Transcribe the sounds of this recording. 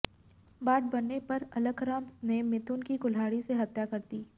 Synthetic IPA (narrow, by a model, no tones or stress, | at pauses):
baːʈ̚bɐnːepɐɾɐləɡɾaːmsnemɪt̪ʊnkikʊlɦaːɽiseɦɐt̪jakɐɾt̪iː